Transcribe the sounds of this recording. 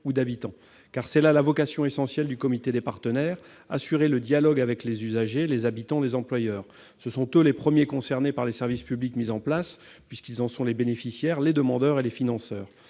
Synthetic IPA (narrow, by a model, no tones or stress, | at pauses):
ud̪abit̪ɑ̃ | kaʁsɛlalavɔkasjɔ̃esɑ̃sjɛld̪ykɔmit̪ed̪epaʁt̪ənɛːʁ | asyʁeləd̪jalɔɡavɛklezyzaʒelezabit̪ɑ̃d̪ezɑ̃plwajœːʁ | səsɔ̃t̪ølepχəmjekɔ̃sɛʁnepaʁlesɛʁvispyblikmizɑ̃plas | pɥiskilzɑ̃sɔ̃lebenefisjɛʁled̪əmɑ̃d̪œʁelefinɑ̃sœːʁ